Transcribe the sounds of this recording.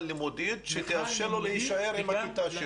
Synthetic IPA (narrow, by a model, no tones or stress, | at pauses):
lːimod̪id̪ʃet̪iaʃeloleiʃaeɾmait̪aʃ